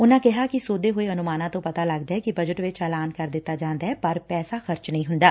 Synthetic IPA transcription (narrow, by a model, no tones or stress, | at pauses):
ʊnãːkɪɦaːkɪsoːd̪eːɦoːeːənʊmaːnãːt̪õːpət̪aːləɡd̪aːɦɛːkibəd͡ʒəʈʋɪt͡ʃɛːlaːnkəɾd̪ɪt̪ːaːd͡ʒãːnd̪aːɛːpəɾpɛːsaːxəɾt͡ʃnəĩːɦʊnd̪aː